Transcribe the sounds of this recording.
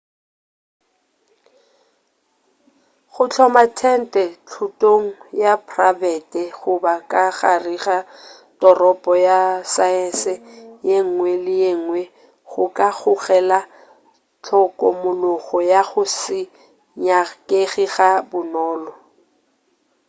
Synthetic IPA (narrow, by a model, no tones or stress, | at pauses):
χʊt͡ɬʰɔmatʰɛn̩tʼɛt͡ɬʰʊtʼoŋ̩japʰravɛtɛɣʊbakʼaɣariɣa | d̥ɔrɔpʼɔjasaɛnsɪjeŋ̩ŋwɛlɪjeŋ̩wɛ | ɣʊkʼaɣʊɣɛla | t͡ɬʰɔkʼɔmʊlʊɣɔjaɣʊsɪ | ɲakʼeɣiɣabʊnɔːlɔ